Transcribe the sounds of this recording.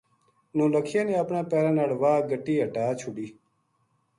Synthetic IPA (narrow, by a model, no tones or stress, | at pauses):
nõːləkʰieneɐpnaːpɛːɾanɐɽʋaːɡəʈiːɐʈaːt͡ɕʰuɖiː